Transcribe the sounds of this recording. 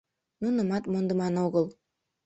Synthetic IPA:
nunə̆mɑt̪mond̪ə̆mɑnoɣɤlˠ

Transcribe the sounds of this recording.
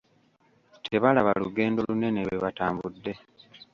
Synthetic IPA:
tʰe̞βalaβaluɡe̞ːndo̞lune̞newweβataːmbudːe̞

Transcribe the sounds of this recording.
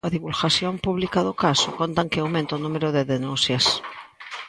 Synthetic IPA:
aðiβulxaθjompuβlikaðokasokont̪aŋkeawmẽnt̪onumeɾoðeðenũnθjas

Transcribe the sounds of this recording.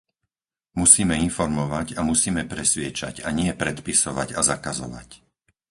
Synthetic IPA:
musiːmɛinfɔɾmɔʋaɟamusiːmɛpɾɛsʋɪɛt͡ʃa̰caɲɪɛpɾɛt̪pisɔʋa̰ɟazakazɔ̰ʋa̰c

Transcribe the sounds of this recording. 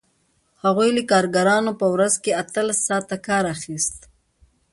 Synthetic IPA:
haɣujlikɑːɾɡaɾɑnopəwɾazkeat̪əlasːɑːt̪akɑːɾaxist̪

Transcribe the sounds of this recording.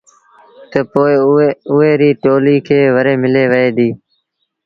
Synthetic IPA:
t̪əpoːɪʊɦeːɾiːʈoːliːkʰeːʋəɾeːmɪleːʋəeːd̪iː

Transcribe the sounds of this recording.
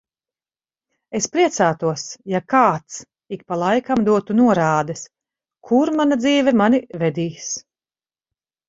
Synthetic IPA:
espɾiɛt̪saːt̪uɔsjakaːt̪s | ikpalˠajkamd̪uɔt̪unuɔɾaːd̪ɛs | kʰuɾmanad̪ziːvɛmanivɛd̪iːs

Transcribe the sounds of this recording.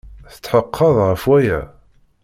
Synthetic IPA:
θə̥t͡sːħəqʰːəðˤʁəfwæjæ

